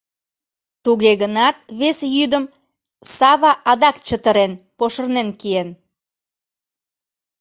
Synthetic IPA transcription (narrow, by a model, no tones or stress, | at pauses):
t̪uɣeɣənɑt̪̚βesjyd̪əm | sɑβɑʔɑd̪ɑkt͡ɕət̪əɾenpoʃə̆rnenkien